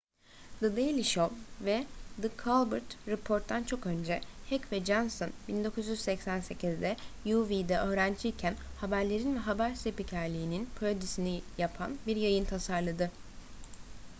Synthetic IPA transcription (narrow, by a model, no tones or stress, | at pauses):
d̪ɯd̪ejlʲiʃolvɛd̪ɯkʰalˠbɯɾt̪ɾepʰo̞ɾt̪ʰːant͡ʃʰo̞kø̞nd͡ʒɛhɛcvɛd͡ʒansonbind̪o̞kʰuzjyzsɛcsænse̞cʰizd̪ɛjuvid̪ɛʔø̞ːɾænd͡ʒiːcʰænhabæɾlʲe̞ɾinvɛɦabæɾsepicʰæɾlʲiːninpʰɾod̪isinijapʰa̰nbiɾjajɯnt̪ʰasaɾlˠad̪ɯ